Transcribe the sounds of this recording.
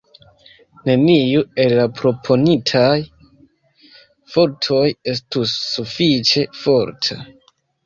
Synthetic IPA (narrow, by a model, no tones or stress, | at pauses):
ne̞nijue̞lːapɾo̞pʰo̞nitʰaj | fo̞ɾtʰo̞je̞s̬tusːufit͡ʃe̞fo̞ɾtʰa̰